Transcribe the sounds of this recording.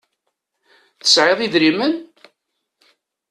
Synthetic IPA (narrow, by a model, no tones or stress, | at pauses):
θə̥sʕeðˤiðɾimən